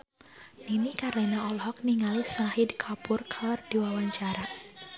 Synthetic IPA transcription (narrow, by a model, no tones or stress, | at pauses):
ninikarlɛnaɔlhɔk̚niŋalisahidkʰapʊrkʰalɔrd̥iwawaɲt͡ʃaɾa